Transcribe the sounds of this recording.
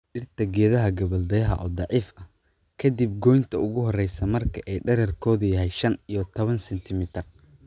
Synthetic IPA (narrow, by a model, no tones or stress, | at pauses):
ɖɪrt̪ʰɐɡɛːðɐɦɐɡɐβɐld̪ɛjɐɦɐ̰ʔɔːd̪ɑʕiːfɐ | kʰɐd̪ib̚ɡɔjnt̪ʰɐʊɣʊɦɔrɛjsɐmɐrkʰɐʔɛjɖɐɾɛrkʰɔːðʊjɐɦɛjʃɐnijɞt̪ʰɔβɐnsɛnt̪ʰɪmɪt̪ʰɪr